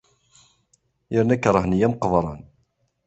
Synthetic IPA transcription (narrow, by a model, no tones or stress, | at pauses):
jəɾnækːɾˤəhnijæmqəvˤɾˤɑ̰n